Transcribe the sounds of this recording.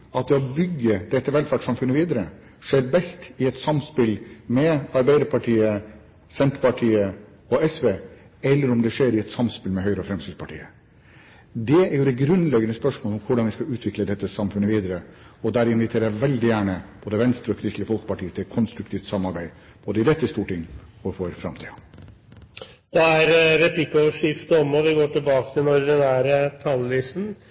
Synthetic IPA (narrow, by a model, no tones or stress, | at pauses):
ɑt̪̚d̪ɛɔbʏɡːəd̪ɛt̪ːəʋɛlfæːʈʂsɑmfʉnːəʋiːd̪əɾə | ʂeːɾbɛst̪ɪɛt̪sɑmspɪlmɛɑɾbæɪd̪əɾpʰɑʈʰiːə | sɛnt̪pɑʈʰiːə | ɔɛsʋeː | ɛlːəɾɔmd̪ɛʂeːɾɪɛt̪sɑmspɪlmɛɦœʏɾəɔfɾɛmsiːd̪spʰɑʈʰḭːə | d̪ɛæɾjʊd̪ɛɡɾʉnlɛɡːənəspœʂmoːlɔmkʰʊɖɑnʋɪskɑʉːt̪ʰʋɪkləd̪ɛt̪ːəsɑmfʉnːəʋiːd̪əɾə | ɔd̪æɾɪnʋɪt̪ʰeːɾæʋɛld̪ɪjæːɳəb̥oːd̪əʋɛnst̪ɾəɔkʰɾɪst̪lɪəfɔlkə̥pɑʈiːət̪ʰɪkʰɔnst̪ɾʉkt̪ʰiːft̪sɑmːɑɾbæɪ | b̥oːd̪əɪd̪ɛt̪ːəst̪uːʈɪŋːɔfɔɾfɾɑ̰mt̪ʰḭːɑ | d̪̥ɛæɾɾɛplɪkɔʋʂɪft̪ɔmɔʋɪɡoːʈɪlbɑːkət̪ʰɪlnɔɾd̪ɛnæːɾət̪ʰɑllɪsn̩